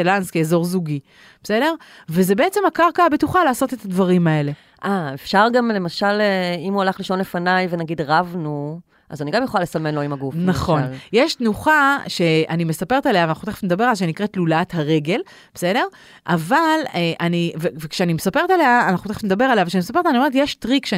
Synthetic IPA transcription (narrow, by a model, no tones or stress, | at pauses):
elanskeːzo̞ʁzuɡi | b̥ese̞de̞ʁ | veze̞beet͡se̞mhakaʁkaabetuχalaːsotet̪ʰadvaʁimae̞le̞ | ʔaefʃaʁɡamle̞maʃaleimualaχliʃo̞nlefanajvenaɡidʁavnu | ʔazaniɡamjeχolalesame̞nlo̞imaɡufnaχo̞njeʃtnuχaʃe̞anime̞sapeetale̞aveanaχut̪eχe̥tmed̪abe̞ʁalaʃenikʁet̪lulathaʁe̞ɡe̞l | besede̞ʁ | ʔavaleʔanivevekʃeanimesape̞ʁet̪aleaːnaχuteχe̥tmed̪abe̞ʁaleavekʃanimesape̞tanioeetjeʃtʁikʃe